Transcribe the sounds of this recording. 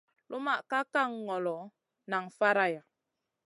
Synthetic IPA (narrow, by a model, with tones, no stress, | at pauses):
lʔu˦ma˦˨ka˦ka˦˨ŋːɔ˨lɔ˨˦ | na˨ŋfa˦ɾa˦ja˨